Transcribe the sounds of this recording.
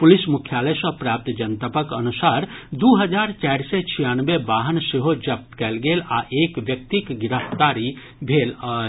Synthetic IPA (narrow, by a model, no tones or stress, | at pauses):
pʊlɪsmukʰjaːləsə̃pɾaːp̚t̪d͡ʒənt̪əpəkənusaːɾd̪uːɦəd͡ʒaːɾt͡ʃaːɾset͡ʃʰijanʋebaːɦənseɦod͡ʒɐp̚t̪kɛːlɡeːlaʔeːkʋjək̚t̪ikɡɪɾəft̪aːɾi | bʱeːla